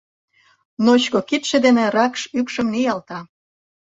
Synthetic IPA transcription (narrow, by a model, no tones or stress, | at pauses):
not͡ɕkokit̪ʃĕd̪enĕrɑkʃykʃə̆mnijɑlt̪ɑ